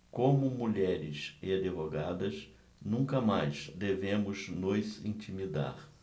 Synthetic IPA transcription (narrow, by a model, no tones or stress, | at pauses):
kõmʊmuʎɛɾɪsɪad͡ʒ̪evoɡad̪ɐs | nũkɐmajzd̪evẽmʊznʊzḭ̃nt͡ʃimid̪a̰ɾ